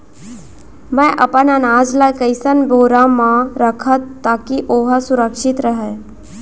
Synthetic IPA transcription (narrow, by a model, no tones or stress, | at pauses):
mɛ̃ʔɐpənanaːd͡ʒlakəɪsənboːɾamãɾəkʰət̪ːaːkiʔoːɦəsʊɾəkʃɪt̪ɾəɦɛ